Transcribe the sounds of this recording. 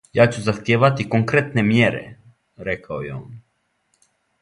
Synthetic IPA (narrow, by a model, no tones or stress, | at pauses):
jaːt͡ɕuzaxt̪jeːʋat̪ikoŋkɾet̪ne̞mjeɾḛ | ɾekʰaojeo̰n